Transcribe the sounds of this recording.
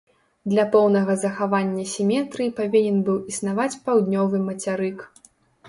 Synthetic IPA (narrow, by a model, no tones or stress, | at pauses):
d̪lʲɐpɔwnɐɣɐzɐxavanʲːɐsʲimʲɛt̪ɾɨjipavʲinʲɛnbɨwisnavat͡sʲpawd̪nʲɔvɨmɐt͡sʲaɾɨk